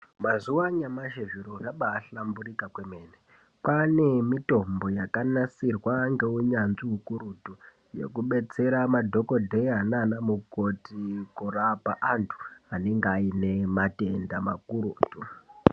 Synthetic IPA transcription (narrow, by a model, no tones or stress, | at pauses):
mazuwaɲamaʒeviɾoraɓaːɬamburikakweme̞ːne | pane̞mito̞mbo̞jakanasirwaŋɡe̞uɲanʐiɦukuɾutu | je̞̰kuɓe̞t͡se̞ɾamadʱo̞ko̞dʱeiananamuko̞tikorapaʔantʰu̥ane̞ŋɡeaine̞mate̞ndama̰kuɾuːtu